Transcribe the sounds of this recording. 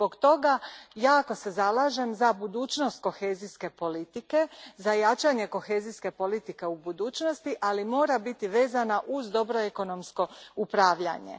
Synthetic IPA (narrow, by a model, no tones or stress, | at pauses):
zbo̞kt̪o̞ɡajaːko̞se̞zalaːʒe̞mzabud̪uːt͡ʃno̞st̪̚ko̞xe̞ːziske̞po̞lit̪ike̞zajat͡ʃaɲe̞ko̞xe̞ːziske̞po̞lit̪ike̞ubud̪uːt͡ʃno̞st̪iʔalimo̞ːɾabit̪iʋe̞ːzanaʔuzd̪o̞bɾo̞eko̞no̞msko̞upɾaːʋʎa̰ɲḛ